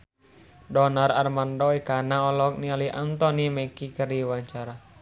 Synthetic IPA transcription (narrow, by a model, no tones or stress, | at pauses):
dɔnararmandɔɛkanaɔlɔk̚nialiʔant̪ɔniməkikəriwaɲt͡ʃaɾa